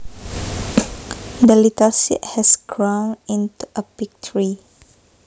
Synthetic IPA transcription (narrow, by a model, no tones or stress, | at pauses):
dəlitəlsḭt̚hɛsɡɹãwnĩntuʔəpik̚tʰəɹi